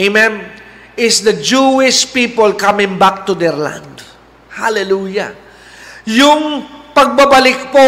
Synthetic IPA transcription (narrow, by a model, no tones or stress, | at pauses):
emɛ̃n | ɪsd̪ɐd͡ʒuɪʃpipolkamɪ̃ŋbak̚t̪ud̪ɛɹlã̰nd̪ | halɛluja | jʊŋpɐɡ̚babɐlɪk̚po